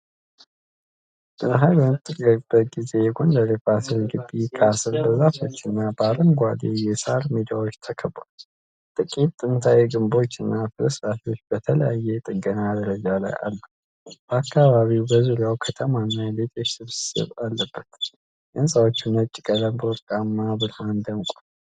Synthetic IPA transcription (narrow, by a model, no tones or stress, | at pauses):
ʔɨɦajbəmɨt̪ʼːɨɡəɾb̥ːət̪̚ɡize̞jɛɡond̪əɾebasɨlɡɨbikʰasɨlbəzat̪ʰo̞t͡ʃːɨnːabaləmɡʷad̪ejɛsaɾmid̪awo̞t͡ʃːt̪ʰəkʰəbal | t̪ʼɨkʼit̪ʼːɨnt̪ʰajɛɡɨmbo̞t͡ʃːɨnːafɨləsɾat̪o̞t͡ʃːb̥ət̪ʰələjajːɛt̪ʼɨɡənad̪ɾəd͡ʒala̰ja̰lːə | b̥əakːaβaβiwbəzuɾjawkʰət̪ʰəmanːalet̪ʰʼo̞t͡ʃːsɨβsɨ̥sɨ̰βalːəbːət̪ | ʔɨnsʼawot͡ʃːunət͡ʃʼːɪkʼələmbəwɔɾkʼamːaβɨɾmand̪əmkʷʼu